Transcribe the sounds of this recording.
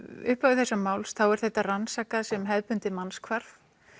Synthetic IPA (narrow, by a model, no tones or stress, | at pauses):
ʏ̰hpaɪθɛsːamaːwlsθawɛɾ̥θɛht̪ːaransaːkaðsɛmɦɛðpʏnt̪ɪmanskʰvaɾf